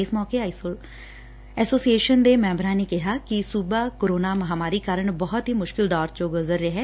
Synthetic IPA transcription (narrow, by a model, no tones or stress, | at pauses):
ɪsmɔːkeː | ɛːsoːsieːʃənd̪eːmɛ̃ːmbɾãːneːkɪɦaːkɪsubaːkoɾoːnaːməɦaːmaːɾiːkaːɾəɳbɔɦɔt̪ɦiːmʊʃkɪld̪aːɾt͡ʃoːɡʊzəɾːeɦɛː